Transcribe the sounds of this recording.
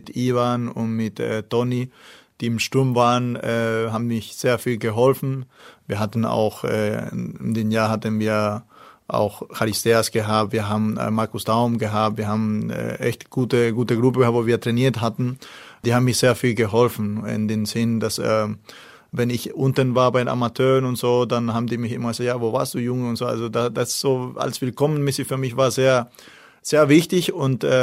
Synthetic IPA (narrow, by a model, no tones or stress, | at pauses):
ɪtʔiːvanʊ̰ntmɪtɛ̰tɔni | d̥iːɪmʃtʊɐmvaːʁənɛːhaːbn̩mɪçz̥eːɐfiːlɡəɦɔlfn̩viːɐɦatn̩a̰ʊxʔɛ̰ɪmdeːmjaːɐhatənviːɐʔa̰ʊxxaʁɪsteːasɡ̥əɦaːp̚tv̥iːɐɦaːbm̩̰maɐkʊsd̥aʊmɡəɦaːp̚tviːɐhaːbm̩ɛ̰ʔɛ̰çtɡ̥uːtəɡuːtəɡʁʊpəɡəhap̚v̥oːviːɐtʁ̥ɛniːɐthatn̩d̥iːhabm̩iːɐz̥eːɐfiːlɡəɦɔlfn̩ɪ̰ndeːmzɪndasɛ̰ | vɛnɪçʔʊntənvaːɐbaɪnʔa̰matʰøːʁənʊntz̥oːdanhaːbm̩diːmɪçʔɪmɐɡəzatjaːvoːva̰ːɐstd̥uːjʊŋʊntz̥oːa̰lzodad̥az̥oːa̰lsv̥ɪlkʰɔmənmɪsɪfyːɐmɪçv̥aːɐzeːɐ | z̥eːɐvɪçtɪçʊntɛː